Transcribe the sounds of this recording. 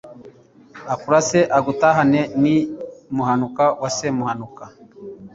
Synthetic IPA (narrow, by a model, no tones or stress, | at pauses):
akuɾaseʔaɡutaɦanenimuhanukawasemuhanuka